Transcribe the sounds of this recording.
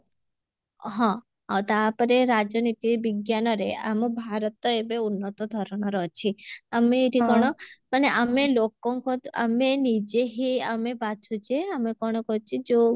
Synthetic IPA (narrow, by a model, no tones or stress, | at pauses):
ɦɔ̃ | ɔt̪apɔɾeɾad͡ʒɔnit̪ibiɡjanɔɾeamɔbʱaɾɔt̪ɔebeunːɔt̪ɔd̪ʱɔɾɔɽ̃ɔɾɔt͡ʃʰiameːʈʰikɔɽ̃ɔmaneʔamelokɔŋkɔa̰menid͡ʒeɦiamepat͡ʃʰut͡ʃʰeamekɔɽ̃ɔkɔt͡ʃʰid͡ʒo